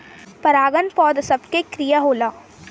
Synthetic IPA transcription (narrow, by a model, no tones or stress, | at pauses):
pɐɾaːɡənpɔːd̪sɐbkekɾijaɦoːlaː